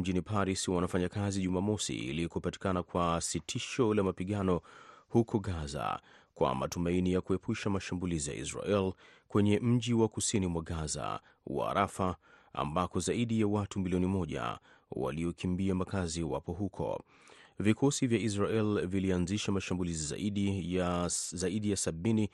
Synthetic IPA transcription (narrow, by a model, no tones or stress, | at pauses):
m̩ʄinipaɾiswanafaɲakaziʄumamɔsḭḭlikupati̥kanakwasitʰiʃɔlamapiɠanɔhukʰɔɡaza̰ | kwa̰ma̰tumainijakuɛpʰuʃamaʃambulizija̰ʔḭsɾa̰ʔɛl | kwɛɲɛm̩ʄiwakusinimwaɡaza̰ | wa̰ːɾafaa̰mbakɔzaiɗijawatumiliɔnimɔʄa̰ | wa̰liɔkʰimbiamakaziwa̰pɔɦukʰɔ̰ | vikʰɔsivjais̬ɾaɛlvilianziʃamaʃambuliziza̰ʔiɗi | zaiɗijasaɓini